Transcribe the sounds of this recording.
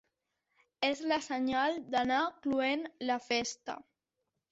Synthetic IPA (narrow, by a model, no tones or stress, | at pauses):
ezləsəɲalˠd̪anakluenləfest̪ə̰